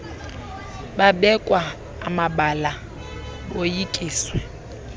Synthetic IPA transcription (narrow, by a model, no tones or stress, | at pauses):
babɛkʼwa | amabala | ojikʼiːswɛ